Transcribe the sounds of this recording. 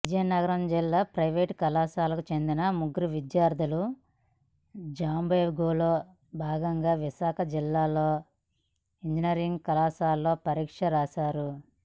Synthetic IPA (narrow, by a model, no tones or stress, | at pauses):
ʋid͡ʒɐjɐnɐɡɐɾɐmd͡ʒilːaːpɾɐjʋeːʈkɐlaːsaːlɐkut͡ʃe̞nd̪inɐmuɡɾiʋid̪jaːɾd̪ʱulu | d͡ʒaːmbɐjɡoːloː | bʱaːɡɐŋɡaːʋiʃaːkʰɐd͡ʒilːaːlo̞ː | iɲd͡ʒiniɐɾiŋɡkɐlaːsaːlːo̞ːpɐɾiːkʂɐɾaːʃaːɾu